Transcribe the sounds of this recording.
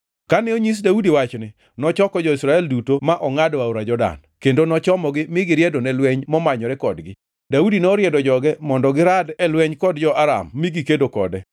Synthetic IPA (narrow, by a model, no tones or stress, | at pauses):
kanɛoɲis̬daudiwat͡ʃnɪ | nɔt͡ʃɔkɔd͡ʒɔisɾaɛldutomaʔɔŋadwawɾad͡ʒɔda̰n | kendonɔt͡ʃɔmɔɡɪmɪɡɪɾjɛdonɛlwɛɲmɔmaɲɔɾɛkɔdɡɪ | daudinɔɾjɛdɔd͡ʒɔɡɛmɔndɔɡɪɾadɛlwɛɲkɔdd͡ʒɔʔaɾa̰mːiɡikedokɔ̰dɛ